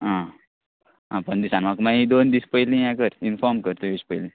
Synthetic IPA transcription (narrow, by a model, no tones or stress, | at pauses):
ɦã | ɦãpəɳd̪isanmakmaɦid̪ond̪ispəjlĩjãkəɾinfɔɾmkəɾt̪ojispəjlĩ